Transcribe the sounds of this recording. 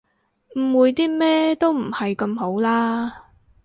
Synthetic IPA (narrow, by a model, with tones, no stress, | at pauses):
m̩˨˩wuː˨˧jt̪iː˥mɛː˥t̪o˥wm̩˨˩hɐ˨jkɐ˧mɦo˨˥wlaː˥